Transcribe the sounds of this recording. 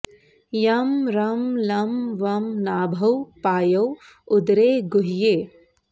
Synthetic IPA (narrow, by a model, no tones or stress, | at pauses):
jɐmɾɐmlɐmʋɐmnaːbʱɐwpaːjɐw | ʊd̪ɾeːɡuɦjeː